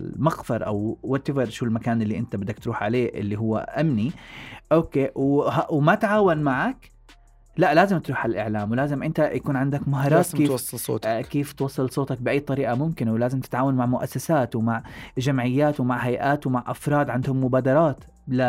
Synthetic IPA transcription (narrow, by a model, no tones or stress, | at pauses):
mɑɣfɑɾˤʔa̰wwat̪ɪvɑɾˤʃuːlmakaːnʔɪlːiʔɪnt̪abɪd̪ːakt̪ɾuːħʕaleːʔɪ̰lːiɦʊwːa̰ʔamniʔoːkeːwɦwmat̪ʕaːwanmaʕak | laʔlaːzɪmt̪ɾuːħalʔɪ̰ʕlaːmwɪlaːzɪmʔɪnt̪ajakuːnʕɪnd̪akmaɦɑːɾˤɑːt̪keːsːˤlso̰ːtkeːft̪wɑsˤːɨlsˤoːt̪ɑk̚bɪʔajːt̪ˤɑɾiːʔamʊmkɪnwlaːzɪmt̪ɪ̥t̪ʕaːwanmaʕmʊʔa̰sːasaːt̪wɪmaʕʒamʕɪjːaːt̪wɪmaʕɦajʔaːt̪wmaʕʔafɾˤɑːd̪ʕand̪hʊmːʊbaːd̪ɑɾˤɑːt̪ | la